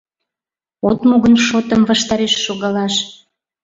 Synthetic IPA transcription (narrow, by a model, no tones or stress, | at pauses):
ot̪moɣənʃot̪əmvɑʃt̪ɑɾeʃːoɣɑlɑʃ